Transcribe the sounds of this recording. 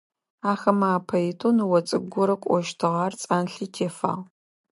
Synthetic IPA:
aːxɐmaaːpʰɐjitʰonwɔt͡sʼɨɡʷʊɾɐkʷʼɔʃtʰɨʁɑːrt͡sʼaːnɬiːtʰeːfa̰ːʁ

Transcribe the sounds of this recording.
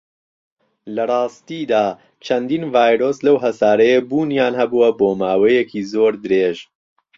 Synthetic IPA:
lɐrɑːst̪iːd̪aː | t͡ʃʰɐnd̪iːnvaːjɾoːslɐwɦɐsaːɾɐjebuːnjaːnhɐbuwɐboːmaːwɐjekʰiːzoːɾd̪ɨɾeːʒ

